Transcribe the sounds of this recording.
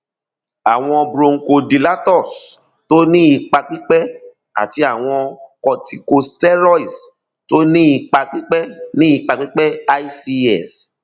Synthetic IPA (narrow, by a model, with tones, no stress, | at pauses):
a˨w̃ɔ̃˧bɾo˧ŋ̩˨ko˧di˨la˦tɔ˦˨s | to˦nĩ˦i˧k͡pa˧k͡pĩ˦k͡pɛ˦ | a̰˨ti˧a˨w̃ɔ̃˧kɔ˨ti˧ko˧stɛ˦ɾɔ˦i˨s | to˦nĩ˦i˧k͡pa˧k͡pĩ˦k͡pɛ˦nĩ˦i˧k͡pa˧k͡pi˦k͡pɛ˦a˦i˦si˧ɛ˦˨s